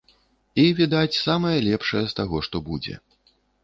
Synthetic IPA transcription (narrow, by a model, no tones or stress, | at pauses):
ivʲid̪at͡sʲsamɐjɐlʲɛpʂɐjɐst̪aɣɔʂt̪ɔbud͡zʲɛ̰